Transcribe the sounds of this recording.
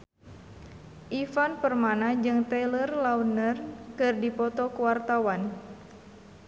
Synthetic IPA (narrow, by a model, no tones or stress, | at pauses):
ʔifanpərmanad͡ʒɨŋt̪ɛlərlaunərkɨrdipɔt̪ɔkuwart̪awan